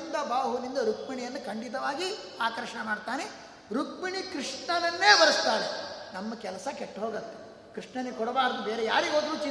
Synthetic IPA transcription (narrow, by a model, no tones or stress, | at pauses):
nd̪ɐbaːɦunind̪ɐɾukmiɳijɐnːukɐɳɖit̪ɐʋaːɡi | aːkɐɾʃɐɳɐmaːɖt̪aːne | ɾukmiɳikɾiʂɳɐnɐnːe̞ːbɐɾɐst̪aːɾenɐmːɐkɛlɐsɐkeʈːɦoːɡɐt̪ːe̥ | kɾiʂɳɐnkɔɽɐbaːɾɐd̪ubeːɾejaːɾiɡoːd̪ɾuːt͡ʃi